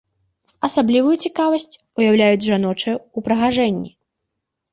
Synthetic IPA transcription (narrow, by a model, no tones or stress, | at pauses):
ɐsablʲivujut͡sʲikavɐsʲt͡sʲ | ujawlʲajud͡zʲʐanɔt͡ʂɨupɾɐɣaʐɛnʲːḭ